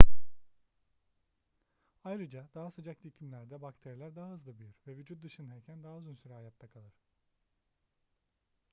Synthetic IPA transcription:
ajɾɯd͡ʒad̪̥aɦasod͡ʒaclʲicʰimlʲæɾd̪ɛbakt̪ʰeɾjilʲæɾd̪aɦaɦɯzlˠabyjyɾvɛvyd͡ʒut̪̚d̪ɯʃɯnhɛɾcʰænd̪aɦauzunsyɾɛɦajat̚t̪ʰakʰalˠɯɾ̥

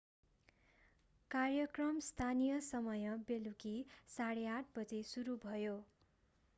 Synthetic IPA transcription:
karjʌkrʌmst̪ʰanijʌsʌmʌjʌbelukisaɽeaʈ̚ʰbʌd͡zesuɾubʱʌjo

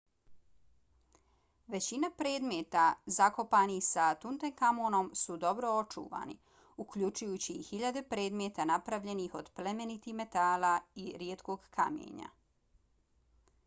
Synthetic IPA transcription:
ʋe̞t͡ɕinapɾe̞ːd̪me̞ːt̪azako̞paːnixsat̪unt̪eŋkamoːno̞msud̪o̞bɾo̞ot͡ʃṵːʋa̰ːnḭ | ukʎut͡ʃujuːt͡ɕiːhiʎad̪e̞pɾe̞ːd̪me̞t̪anapɾaʋʎe̞nixo̞d̪ple̞me̞nit̪ime̞t̪aːlaiɾjet̪ko̞ɡkʰamjḛːɲa̰

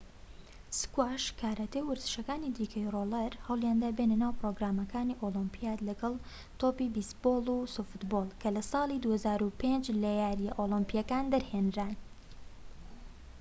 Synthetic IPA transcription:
skwaʃkʰaːɾat̪ewɨɾzɨ̥ʃɐkaːnid̪iːkʰəjrolɐɾhɐwljand̪aːbenɐnaːwpɾoːɡɾaːmɐkʰaːniʔolimpʰijaːt̪lɐɡɐlˠ | t̪oːpibist̪boːlˠusufɨt̪boːlˠkʰɐlɐsɑːlˠid̪uːhɐzaːɾupend͡ʒlɐjaːɾjɛʔolimpijɐkaːnd̪ɐɾhenɾan

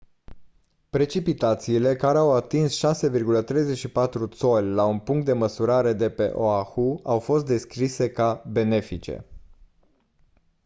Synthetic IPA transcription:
pɾe̞t͡ʃipit̪at̪siːle̞kaɾe̞awat̪insʃase̞virɡulət̪ɾe̞jzet͡ʃʃipat̪ɾut̪so̞lʲlaunpuŋkt̪̚d̪e̞məsuɾaɾe̞d̪e̞pe̞̰ʔoaxuawfo̞s̬t̪̚d̪e̞skɾise̞kabe̞ne̞fit͡ʃe̞̰

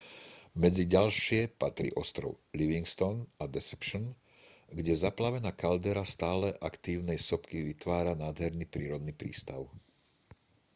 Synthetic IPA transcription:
mɛd͡ziɟalʃɪɛpat̪ɾḭʔɔst̪ɾɔ̰ʊliʋiŋkst̪ɔnad̪ɛsɛ̥pʃn | ɡɟɛzaplaʋɛnaːkald̪ɛɾast̪aːlɛʔakt̪iːʊnɛjsɔpkiʋit̪ʋaːɾanaːd̪ɦɛɾnipɾiːɾɔd̪nipɾḭːst̪aʊ

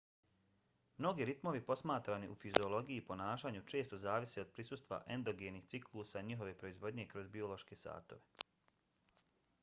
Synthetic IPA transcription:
mno̞ɡiɾit̪mo̞ʋipo̞smaːt̪ɾaniʔufizio̞lo̞ɡijipo̞naːʃaːɲut͡ʃe̞ːst̪o̞zaːʋiseo̞d̪̚pɾisuːst̪ʋa̰ʔe̞nd̪o̞ɡeniht̪siklˠuːsaɲiɦo̞ʋe̞pɾo̞izʋo̞d̪ɲe̞kɾo̞zbio̞lo̞ʃke̞sa̰ːt̪o̞ʋe̞

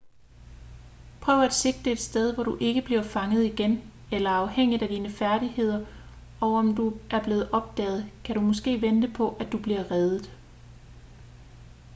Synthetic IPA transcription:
pʰʁœːʊɐæd̥se̝ɡ̥̚d̥əe̝d̥sd̥eð̞ˠʋɒd̥uʔe̝ɡ̥əb̥liɐfɑ̈ŋəð̞̩ˠiɡ̥en | elɐɑ̈ʊheŋ̰id̥æd̥iːnəfæɐɾ̥ihe̝ð̞̰ˠɐ | ɒ̽ʊɒ̽md̥uʔæɐb̥le̝ːð̩ˠʔɒ̽b̥̚d̥ɛ̰ːð̞̩ˠkʰæɾumɔ̽sɡ̥e̝̰ːʋend̥əpʰɒ̽ʔæd̥ub̥liɐʁɛðˠð̩ˠ

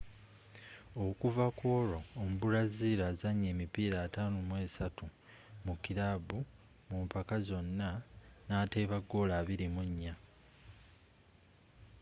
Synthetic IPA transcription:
o̞kuvakwo̞ːɾo̞ːmbulaziːɾaːzaɲːe̞ːmipiːɾaːtaːnumwe̞ːsatu | mukiɾabu | mumpakazo̞nːanaːteːβaɡːo̞ːlaːβiɾimuɲːa

